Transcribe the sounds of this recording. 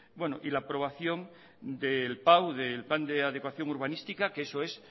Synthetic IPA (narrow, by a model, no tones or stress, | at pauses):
bwe̞noʔilapɾo̞β̞aθjo̞ŋ | d̪elpawðelpland̪eað̞e̞kwaθjo̞ŋuɾβ̞anist̪ikakeesoe̞s